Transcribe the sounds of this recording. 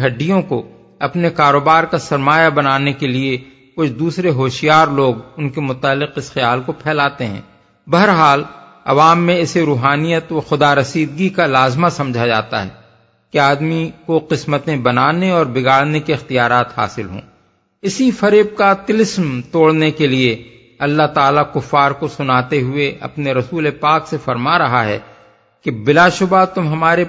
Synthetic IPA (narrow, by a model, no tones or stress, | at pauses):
ɦɐɖːijõko | ɐpnekaːɾoːbaːɾkasɐɾmaːjabɐnaːnekelie | kʊt͡ʃʰd̪uːsɾeɦoːʃjaːɾloːɡʊnkemʊt̪aːlːɪqɪsxɪjaːlkopʰɛːlaːt̪eɦɛ̰̃ː | bɐɦəɾɦaːl | ɐ̰ʋaːmːẽɪseɾuːɦaːnijət̪ʋaxʊd̪aːɾɐsiːd̪ɡikalaːzmasɐ̃md͡ʒʱad͡ʒa̰ːt̪a̰ɦɛ̰ː | keaːd̪mikoqɪsmət̪ẽbɐnaːneɔːɾbɪɡaːɽnekiɪxt̪ijaːɾaːt̪ha̰ːsɪlɦõ̰ː | ɪsifɐɾeːb̚kat̪ɪlɪsmt̪oːɽnekelie | ɐlːaɦt̪aːlakʊfːaːɾkosʊnaːt̪eɦʊeʔɐ̰pneɾɐsuːlepaːksefɐɾmaɾɐɦaɦɛ̰ː | kebɪlaʃʊbat̪ʊmɦɐmaːɾe